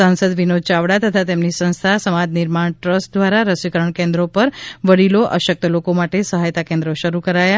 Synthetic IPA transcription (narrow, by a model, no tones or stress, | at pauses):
sansəd̪ʋinod̪̚t͡ʃaʋɽat̪ət̪ʰat̪emnisə̃nst̪ʰasəmad͡ʒ̪nɪɾmaɳʈɾəsʈ̚d̪ʋaɾaɾəsikəɾəɳkẽnd̪ɾopəɾʋəɽiloʔə̰ʃək̚t̪əlokomaʈesəɦajt̪akẽnd̪ɾoʃəɾukəɾaja